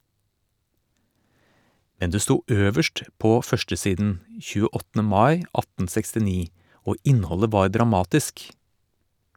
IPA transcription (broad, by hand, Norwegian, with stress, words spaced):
ˈmɛn ˈdeː ˈstuː ˈøːʋəʃʈ ˈpoː ˈfœʃʈəˌsiːdn̩ çʉːəˈɔtn̩ə ˈmɑɪ ˈɑtn̩ sɛkstɪˈniː ˈoː ˈʔɪnhɔlə ˈʋɑːɾ dɾɑˈmɑːtɪsk